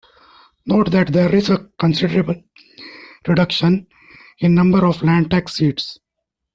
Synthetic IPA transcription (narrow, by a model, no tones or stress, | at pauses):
noːʈd̪æʈd̪eːɾizekə̃nsɪɖəɾebəl | ɾiɖʌkʃə̃n | ɪ̃nnʌ̃mbəɾɔːflæ̃ːɳʈæksiːʈs